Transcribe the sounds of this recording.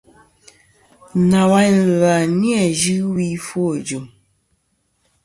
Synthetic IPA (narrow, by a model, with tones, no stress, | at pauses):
na˨wa˦˨la˨ni˦ɛ˦˨d͡ʒʉ˦wi˦fo˦˨d͡ʒo˨m